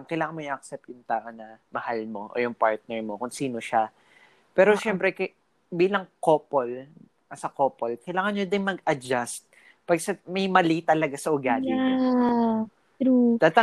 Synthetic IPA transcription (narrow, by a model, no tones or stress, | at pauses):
ŋkɐjlaːŋɐnmojʔɐk̚sɛp̚t̪jʊŋt̪aːʔo̞nɐmɐhalmoʔo̰jʊŋpaɹt̪̚nɛɹmokʊnsiːno̞ʃa | pɛːɾoʃɛmpɾɛkɐ | biːlɐŋkoːpol | ɐsɐkoːpolkɐjlaːŋɐnɲod̪ɪŋmɐɡʔɐd͡ʒast̪̚ | pɐɡsɐmɐjmɐlit̪ɐlɐɡasɐʔʊɡaːlɪna | ɾud̪aːt̪ɐ